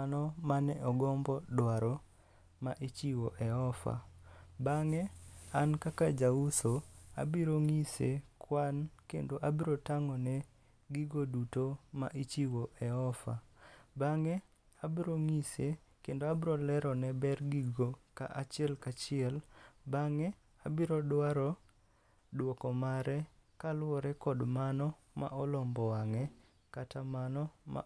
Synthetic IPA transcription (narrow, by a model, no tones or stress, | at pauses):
anɔmanɛʔɔɡɔmbɔdwaɾɔ | maʔit͡ʃiwoʔɛɔfa̰baŋɛankakad͡ʒausoa̰biɾoŋisekwankḛndoʔabiɾotaŋɔnɛ | ɡiɡodutoma̰ʔit͡ʃiwoʔɛɔfa̰baŋɛ | abiɾoŋisekendoabiɾolɛɾɔnɛbɛrɡiɡoka̰ʔat͡ʃɪɛlkat͡ʃɪɛlbaŋɛ | abiɾɔdwaɾɔ | dwokɔmaɾɛkalwɔɾɛkɔdmanɔ | ma̰ʔɔlɔmbɔwaŋɛ | katʰamanɔma̰